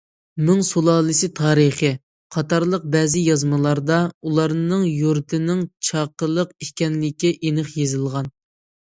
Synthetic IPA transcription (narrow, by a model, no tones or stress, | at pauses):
myŋsolˠɑːlˠɨsɨt̪ʰɑːɾəχə | qʰɑt̪ɑɾlˠəq̚bɛːzɪjɑzmɨlˠɑɾd̪ɑulˠɑɾnɨŋjuɾt̪ʰɪnɪŋt͡ʃʰɑqəlˠəqiʃkʲɛnlɪkʲːiʔenɨχjezɨlˠʁɑn